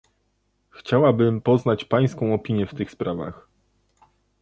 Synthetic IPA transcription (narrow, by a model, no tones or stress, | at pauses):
xt͡ɕawabɘmpɔznat͡ɕpaj̃skɔ̃w̃ɔpʲiɲjɛft̪ɘxspɾʔava̰x